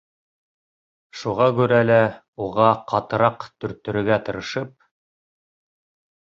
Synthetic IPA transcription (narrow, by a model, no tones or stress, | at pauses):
ʃuʁɑkʉɾælæ | uʁɑqɑt̪ɤ̆ɾɑqt̪ɵ̆ɾt̪ːɵ̆ɾɵ̆ɡæt̪ɤ̆ɾɤ̆ʃɤp̚